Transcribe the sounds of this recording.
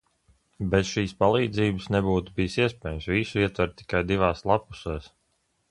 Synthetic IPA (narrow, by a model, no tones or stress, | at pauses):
bɛsʃiːspalˠiːd̪ziːbɨsnɛbuːt̪ubijsiɛspʲɛːjumsvisuiɛt̪vɛɾt̚t̪ːi̥kajd̪ivaːslˠapu̥sɛːs